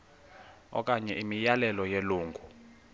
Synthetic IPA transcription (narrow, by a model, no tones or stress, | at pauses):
ɔ̰k̬ʼaɲɛʔimijalɛlɔjeluːŋɡʱu